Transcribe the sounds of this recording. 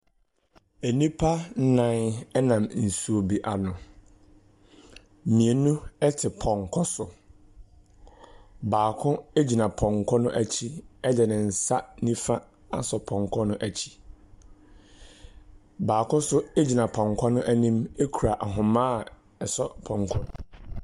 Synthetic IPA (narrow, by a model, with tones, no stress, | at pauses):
e˨nĩ˦pʰa˦n̩˦nã˦˨nɛ˦nã˨mn̩˨su˨o˨bi˨ʔa˨nʊ̃˨ | mĩ˨e˨nũ˦ɛ˦tʰɪ˨pʰɔ̃˨ŋkʰɔ˦sʊ˨ | baː˨kʰʊ̃˦e˦d͡ʑi˨nã˨pʰɔ̃˨ŋkʰɔ˦nʊ̃˦ʔæ˨t͡ɕʰi˦ɛ˦dɛ˨nɪ̃˨n̩˨sa˦nĩ˦fã˦ | a̰˨sɔ˨pʰɔ̃˨ŋ˨kʰɔ˦nʊ̃˦ʔæ˨t͡ɕʰi̥˦ | baː˨kʊ̃˦sʊ˦e˦d͡ʑi˨nã˨pʰɔ̃˨ŋ˨kʰɔ˦nʊ̃˦ʔæ˦˨nĩ˦me˦kʰu˨ɾa˨ʔa˨ɦʊ̃˨mã˦˨ | ɛ˨sɔ˦pʰɔ̃˨ŋ˦kʰɔ˦